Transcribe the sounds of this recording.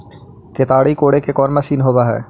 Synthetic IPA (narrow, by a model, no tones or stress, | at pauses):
ket̪aːɽikoːɽekekɔːnmɐsiːnɦoːbaɦɛ̰ː